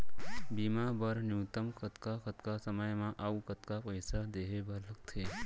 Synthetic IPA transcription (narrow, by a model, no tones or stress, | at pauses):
biːmabəɾnjuːt̪əmkʰət̪kakət̪kasəməjmãʔaːukət̪kapəjsad̪eːɦebʱəɾləkt̪ʰeː